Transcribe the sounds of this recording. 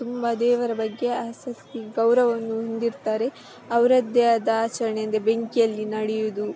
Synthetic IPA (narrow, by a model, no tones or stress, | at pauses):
t̪umbɐd̪ɛːʋɐɾɐbɐɡːe̞aːsɐst̪iɡɐwɾɐʋɐnːuɦond̪iɾt̪aːɾe̞ | ɐwɾɐd̪jaːd̪ɐːt͡ʃɐɾɐɳejɐnd̪ebeŋkijɐlːinɐɽɛjud̪u